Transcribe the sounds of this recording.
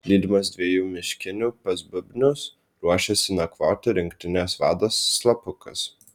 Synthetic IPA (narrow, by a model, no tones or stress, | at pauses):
lʲiːd̪ʲɪmɐs̬d̪ʲʋʲiɛjuːmʲɪʃʲkʲɪnʲuːpɐsbʊbʲnʲʊs | ɾuɔʃʲɛsʲɪnɐkʋoːt̪ʲɪɾʲɪŋkt̪ʲɪnʲeːsʋɑːd̪oːsːlˠɐpʊkɐ̰s